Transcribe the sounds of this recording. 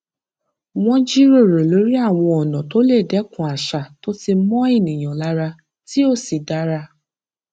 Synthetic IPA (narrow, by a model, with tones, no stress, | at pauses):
w̃ɔ̃˦d͡ʒi˦ɾo˦˨ɾo˨lo˨˦ɾi˦a˦˨w̃ɔ̃˧ɔ˨nɔ̃˨to˦le˦˨dɛ˨˦kũ˨a˨ʃa˨to˦ti˧mɔ̃˦i˦˨nĩ˨j̃ã˨la˨˦ɾa˧ | ti˦o˦˨si˨da˨˦ɾa˧